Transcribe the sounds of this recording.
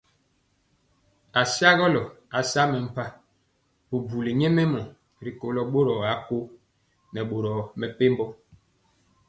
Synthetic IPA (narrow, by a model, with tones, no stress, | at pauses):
a˨sja˦ɣɔ˦lɔ˨a˨sa˦mɛ˨m̩˨pa˦ | bu˨bu˨li˨ɲe˦me˦mɔ˨ | ɾi˨ko˨lɔ˦ɓo˦ɾɔ˨a˨˦ko˦ | nɛ˨ɓo˨ɾɔ˨mɛ˨pe˦mbɔ˦